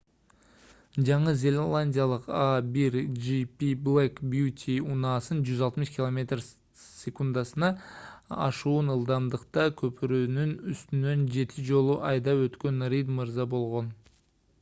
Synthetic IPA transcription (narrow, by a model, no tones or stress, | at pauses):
d͡ʒɑɴəzʲe̞lʲelˠanʲdʲijalˠəqabiɾd͡ʒipʲiblʲekbjut̪ʲʰiunɑːsɯnd͡ʒyzɑlˠt̪mɨʃkʲilˠomʲe̞t̪r | sʲe̞kund̪ɑsɯnɑ | ɑ̰ʃuːnɯlˠd̪ɑmd̪əqt̪ɑkʲʰɵpyɾønynyst̪ynø̞nd͡ʒe̞t̪ʰɪd͡ʒo̞lˠuʔɑjd̪ɑøt̪kø̞nrʲid̪mɨɾzɑbo̞lˠʁo̞n